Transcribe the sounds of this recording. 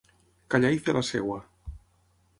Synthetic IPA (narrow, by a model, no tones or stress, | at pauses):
kaʎaiθelʔasḛɣwa